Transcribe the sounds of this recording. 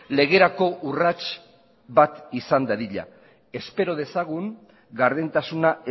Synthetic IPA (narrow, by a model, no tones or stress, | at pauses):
le̞ɣ̞e̞ɾako̞ʔurat͡ʃ | bat̪isand̪aðiʎa̰ | e̞spe̞ɾo̞ð̞e̞saɣ̞uŋ | ɡaɾðent̪asunae